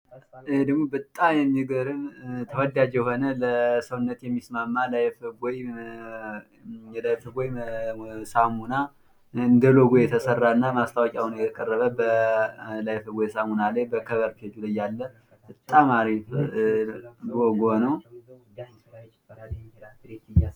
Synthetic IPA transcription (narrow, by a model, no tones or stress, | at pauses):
ɨhed̪əɡmobət̪ʼːajɛmːiɡəɾɨmt̪ʰəwɔd̪ad͡ʒjɛɦo̞nələsəwnːət̪jɛmːismamːalajfɡoj | ɛlajfɨɡoj | samuna | ɨnd̪əloɡojɛt̪ʰəsərːaɨnːamast̪ʰawɔkʼjawunjɛt̪ʰəkʼərːəβəbə | lajfɨɡʷojsamunalajbəkʰəβəɾkʰed͡ʒuləjːalːə | bɨt̪ʼːamaɾif | ɡoɡonəw